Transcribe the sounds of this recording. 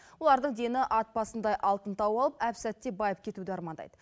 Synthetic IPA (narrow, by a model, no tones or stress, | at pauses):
wo̞lˠɑɾd̪əɴd̪e̞nɪʔɑt̪̚bɑsənd̪ɑjʔɑlˠt̪ənt̪ɑwɑlˠəpæpsæt̪ːe̞bɑjəp̚kʲʰe̞t̪ud̪ɪɑɾmɑnd̪ɑ̰jd̪ə